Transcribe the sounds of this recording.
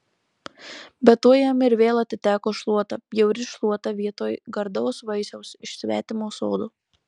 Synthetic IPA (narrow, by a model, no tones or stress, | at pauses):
bʲɛt̪uɔjɛmɪɾʋʲeːlˠɐt̪ʲɪt̪ʲæːkoːʃlˠuɔt̪ɐjɛʊɾʲɪʃlˠuɔt̪ɐʋʲiɛt̪oːjɡɐɾd̪ɔʊsʋɐɪsʲɛʊsɪʃʲsʲʋʲæ̰ːt̪ʲɪmoːso̰ːd̪uː